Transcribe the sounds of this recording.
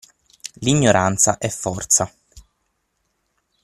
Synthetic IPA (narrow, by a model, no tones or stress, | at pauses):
liɲːoɾʔant̪sa̰ʔɛfːɔrt̪sa